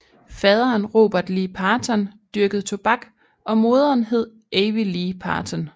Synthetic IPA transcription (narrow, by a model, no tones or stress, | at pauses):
fɛːð̞ˠɐːnʁo̝̰b̥ɐd̥liːpʰɑːt͡sʰɐnd̥yɐɡ̥əð̩ˠt͡sʰo̝b̥ɑ̈ɡ̥ | ɒ̽mo̝ːð̞ˠɐːnɦe̝ð̞̰ˠ | ʔeɪʋiliːpʰɑ̰̈ːt͡sʰɒn